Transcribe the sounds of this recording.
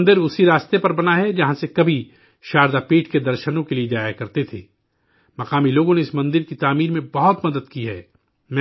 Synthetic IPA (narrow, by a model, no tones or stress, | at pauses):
nd̪ɪɾʊsiɾaːst̪epɐɾbɐnaɦɛd͡ʒɐɦãsekɐbʱi | ʃaːɾd̪apiːʈʰked̪ɐɾʃənõkelied͡ʒaːjakɐɾt̪et̪ʰḛː | mɐqaːmiloːɡõneɪsmɐ̃nd̪ɪɾkit̪aːmiːɾmẽbɐɦɔt̪mɐd̪əd̪̚kiɦɛ̰ː | mɛ̃